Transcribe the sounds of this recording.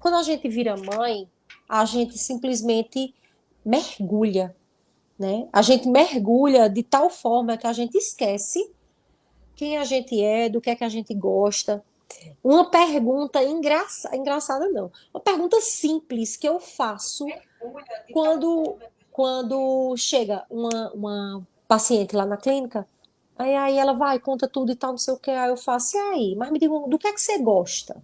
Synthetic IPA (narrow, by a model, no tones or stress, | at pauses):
kwɐ̃d̪ʊaʒẽt̪ɪviɾɐmɐ̃j̃ | aʒẽt̪ɪsĩplizmẽnt̪ɪ | mehɡuʎɐ | nɛaʒẽnt̪ɪmeɦɡuʎɐd̪ɪt̪awfɔɾmɐkɪaʒẽnt̪ɪiskɛsɪ | kẽj̃aʒẽnt̪ɪɛd̪ʊkɪɛkɪaʒẽnt̪ɪɡɔʃt̪ɐ | ũmɐpeɦɡũt̪ɐĩɡɾasa̰ĩɡɾasad̪ɐnɐ̃w̃ũmɐpehɡũnt̪ɐsĩplɪskɪewfasʊ | kwɐ̃nd̪ʊ | kwɐ̃d̪ʊʃeɡɐũmɐũmɐ | pasiẽnt̪ɪlanɐklĩnikɐ | aiaiɛlɐvajkõt̪ɐt̪ud̪ʊɪt̪awnõw̃sejʊkeajewfasʊiaimɐzmɪd̪iɡũd̪ʊkɛkɪ̥seɡɔʃt̪ɐ̰